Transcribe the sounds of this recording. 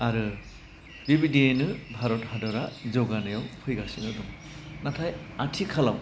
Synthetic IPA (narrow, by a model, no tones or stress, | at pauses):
aɾɯ | dibidienɯbʱaɾɔthadɔɾazɔɡanɯjawpʰɯjɡasinɯduŋ | natʰajatʰikʰalaw